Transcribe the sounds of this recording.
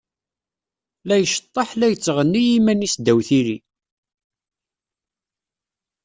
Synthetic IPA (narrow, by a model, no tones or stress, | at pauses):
læjəʃə̥t̪ˤːɑħlæjət͡sːʁənːijimænisd̪æwθiɾi